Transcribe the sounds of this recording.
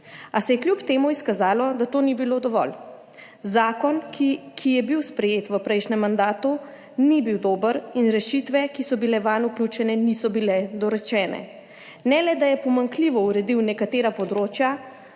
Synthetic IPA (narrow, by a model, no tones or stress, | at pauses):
asɛjɛkljupt̪eːmuiskazaːlɔd̪at̪oːnibilod̪ɔʋɔ̰l | zaːkɔnkikʰijɛbiwspɾɛjeːt̪ʋəpɾɛjʃnɛmːand̪aːt̪u | nibiwd̪oːbəɾinɾɛʃit̪ʋɛkisɔbilɛʋanuklʲuːt͡ʃɛnɛnisɔbilɛd̪ɔɾɛt͡ʃɛːnɛ̰ | nɛlɛd̪ajɛpɔmaŋkliːʋɔuɾɛd̪iwnɛkat̪eːɾapɔd̪ɾoːt͡ʃja